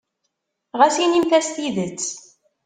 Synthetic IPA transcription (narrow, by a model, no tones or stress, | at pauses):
ʁæsinimθæst̪jiðət͡sː